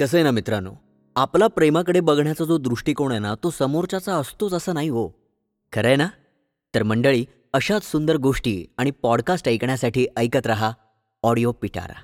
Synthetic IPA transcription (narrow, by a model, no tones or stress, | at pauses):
kəs̬əjnamit̪ɾano̰ | aplapɾemakəɽebəɡɳjat͡sad͡zod̪ɾuʂʈiːkoɽ̃ənat̪osəmoɾt͡ɕat͡saəst̪ot͡səsəːnaɦiɦo | kʰəɾəjna | t̪əɾməɳɖəɭiː | əɕat͡ssund̪əɾɡoʂʈḭːaɽ̃ipɔɽkasʈəjkɳjasaʈʰiːʔəjkət̪ɾaɦa | ɔɽijopiʈʰa̰ɾa̰